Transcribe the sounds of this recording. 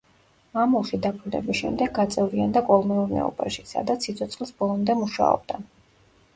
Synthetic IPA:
mamulˠʃid̪apʰɾud̪ɛ̰bisʃɛ̰md̪ɛɡɡat̪sʼɛvɾiand̪akʼɔlˠmɛuɾnɛ̰ɔ̰ba̰ʃisa̰d̪at̪sʰit̪sʰɔt̪sʰʼχʼlˠisbɔlˠɔmd̪ɛmuʃa̰ɔ̰b̚d̪a

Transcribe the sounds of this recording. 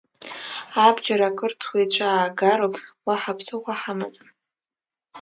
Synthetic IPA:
abd͡ʒaɾakʼɨrtʰwejt͡ɕʷʰaːɡaɾopʼwaħapʰsɨχʷaħamat͡sʼn

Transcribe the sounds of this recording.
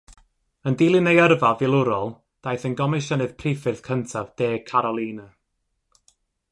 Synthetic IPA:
əndilˠɨnejərvavɪlˠʊɾɔlˠ | d̥ajθənɡɔmɨʃənɨð̥pʰrifɨrθkʰəntʰavd̥eːkʰaɾɔlˠiːna

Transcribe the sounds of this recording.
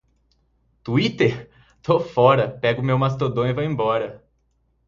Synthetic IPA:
t̪uit̪eɾ | t̪ofɔɾɐpɛɡʊmewmast̪od̪õw̃ivãẽmbɔɾɐ

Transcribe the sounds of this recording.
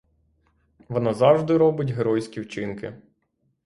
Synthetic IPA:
ʋɔnɑzɑwʒd̪ɪɾɔbɪtʲɦeɾɔjsʲkʲiwt͡ʃɪnkɪ

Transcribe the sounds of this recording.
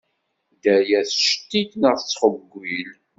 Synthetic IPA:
d̪æjæθʃt̪ːitnəʁθət͡sːχəbɡʷil

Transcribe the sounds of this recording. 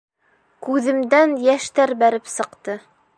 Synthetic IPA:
kʉðɘ̆md̪ænjæʃt̪æɾbæɾɘpsɤ̆qt̪ɤ

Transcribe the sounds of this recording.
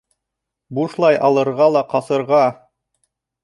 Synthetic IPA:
buʃlˠɑjʔɑlˠɤ̆ɾʁɑlˠɑqɑsɤ̆ɾʁɑ

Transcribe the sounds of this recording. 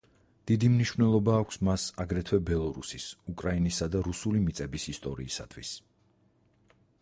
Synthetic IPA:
d̪̥id̪imniʃvnɛlˠɔbaːkʷʰsmasaɡɾɛt̪ʰwɛbɛlˠɔɾṵsisukʼɾainisad̪aɾusulimit̪sʼɛbisist̪ʼɔɾiːsa̰t̪ʰwis

